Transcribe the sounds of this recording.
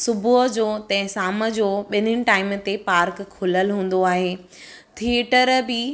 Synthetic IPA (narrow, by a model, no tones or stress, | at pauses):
sʊbʱʊɦd͡ʑoːt̪ɐ̃ɦɪ̃saːmə̆d͡ʑoːɓɪnənɪ̆ʈaːɪmt̪epaːɾkʰːʊləlɦũːn̆d̪oaːɦeː | t̪ʰieʈəɾbɪ